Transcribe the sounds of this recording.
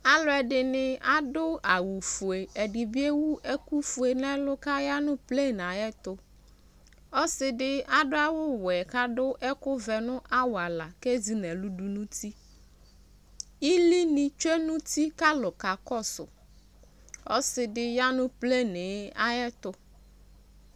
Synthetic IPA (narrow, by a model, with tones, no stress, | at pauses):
a˨lɔ˦ɛ˨ɖɪ˨nɪ̃˨a˨dʊ˦a˨wu˨fu˨e˨ɛ˨ɖɪ˨bi˦e˦wu˦ʔɛ˦ku˦fu˨e˨nɛ̃˦lʊ˦ka˦ja˦nʊ̃˦ple˦˨n˨a˨jɛ˦t̪ʊ˦ | ɔ˦sɪ˨dɪ˦a˨ɖʊ˦a˦wʊ˦wʊ˨ɛ˨ka˦dʊ˦ʔɛ˦kʊ˦vɛ˨nʊ̃˦ʔa˦wa˨la˨ke˦zi˨nɛ̃˨lu˦ɖu˨nũ˦t̪i˦ | i˦li˦nĩ˨t͡ʃe˦nũ˦t̪i˦ka˦lʊ˨ka˨kɔ˦sʊ̰˨ | ɔ˦sɪ˨dɪ˦ja˦nʊ̃˦ple˦˨ne˨˦a̰˦jɛ˦t̪ʊ˦